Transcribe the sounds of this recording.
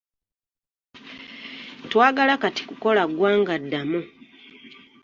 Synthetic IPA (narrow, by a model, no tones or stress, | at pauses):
twaːɡalakati̥kuko̞laɡwaːŋɡadːamu